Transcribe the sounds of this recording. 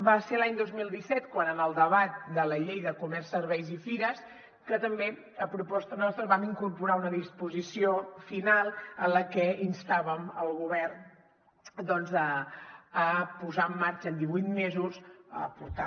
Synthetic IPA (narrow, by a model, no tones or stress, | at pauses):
baselaɲd̪ozmilˠd̪isɛt̪kwanənəlˠd̪əβat̪̚d̪ələʎejðəkumɛrsːəɾβɛjzifiɾəs | kət̪əmbe | əpɾupɔst̪ənɔst̪ɾəβamiŋkuɾpuɾaunəðispuzisiofinalˠənləkɛinst̪aβəməlˠɣuβ̞ɛrn | d̪ɔnzəː | puzaəmːaɾt͡ʃəːnd̪iβujt̪mezusə̰puɾt̪a